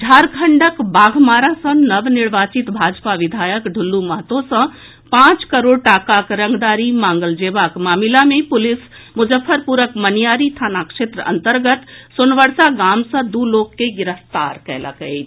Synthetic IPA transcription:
ɖʱaɾkʰəɳɖəkbaɡʱmaɾasə̃nəʋniɽʋat͡ʃit̪bʱad͡ʒpaʋid̪ʱajəkɖʱulːuməɦət̪õsə̃ | pãt͡ʃkəɾoɽ̚ʈakakɾə̃ŋɡd̪aɾimãŋɡəld͡ʒebakmamilamepʊlis | mud͡ʒəfʰːəɾpuɾəkmənijaɾit̪ʰanakʃet̪ɾəə̰nt̪əɾɡət̪sunʋəɽsaɡamsə̃d̪ulokːeɡiɾəft̪aɾkɛlə̰kət͡ʃ

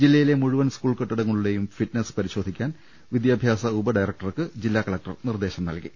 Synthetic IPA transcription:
d͡ʑilːɐjile̞muɻuʋɐnskuːɭkɐʈːɐɽɐŋːɐɭuɽe̞jumfiʈnespɐɾiɕo̞ːd̪ʱikʲːaːn | ʋid̪jaːbʱjaːsɐubɐɖɐjrɐk̚ʈɐrkɨd͡ʑilːaːkɐɭɐk̚ʈɐrnird̪e̞ːɕɐmnɐ̰lkḭ

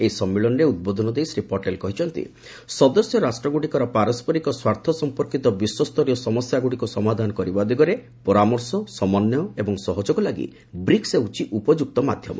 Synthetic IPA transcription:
ejisɔmːiɭɔnɔɾeud̪̚bod̪ʱɔnɔd̪ejsɾipɔʈelkɔɦit͡ʃʰɔnt̪ḭ | sɔd̪ɔsjɔɾasʈɾɔɡuʈikɔɾɔpaɾɔspɔɾikɔswaɾt̪ʰɔsɔmpɔɾkit̪ɔbiswɔst̪ʰɔɾijɔsɔmɔsjaɡuʈikusɔmad̪ʱanɔkɔɾibad̪iɡɔɾe | pɔɾamɔɾsɔsɔmɔnjɔebɔŋsɔɦɔd͡ʒɔɡɔlaɡḭ | bɾikseut͡ʃiʔupɔd͡ʒuk̚t̪ɔmad̪ʱjɔmɔ̰

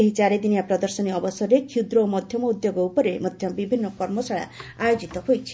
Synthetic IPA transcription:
eɦit͡ʃaɾed̪inijapɾɔd̪ɔɾsɔniɔbɔsɔɾekʰiud̪ɾoːmɔd̪ʱjɔmɔud̪joɡɔupɔɾemɔd̪ʱjɔmɔbibʱinːɔkɔɾmɔsaɭa̰ajod͡ʒit̪ɔɦojt͡ʃʰi̥

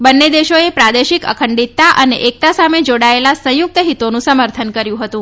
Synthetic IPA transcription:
bənːed̪eʃoepɾad̪eʃikə̰kʰəɳɖit̪ːaʔəneʔek̚t̪asamed͡ʒoɽaelasə̃jʊk̚t̪əɦit̪onũsəməɾt̪ʰənkəɾjũɦət̪ũ

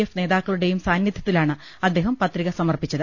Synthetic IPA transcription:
efne̞ːðaːkːɐɭuɽe̞jumsaːnjɐd̪ʱɐt̪ːilaːɳɨ | ɐd̪ːeːɦɐmpɐt̪riɣɐsɐmɐrpit͡ɕːɐðɨ

